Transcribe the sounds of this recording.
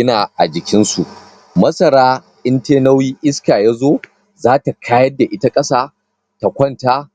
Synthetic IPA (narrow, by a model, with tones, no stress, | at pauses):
ɪ˦naː˨ʔa̰˨d͡ʒɪ˨kʲɪ˦nsu˨ʔ | mɐ˦sɐ˨ɾaː˦ | ʔɪ˦nteː˦nɐ˦wjiː˦ʔɪ˦skaː˨jaː˦zoː˦ | zaː˦ta˨kʰaː˦jɐ˦da˨ʔɪ˦ta˦kʼɐ˦saː˦ | ta˨kʷɔ˦ntaː˦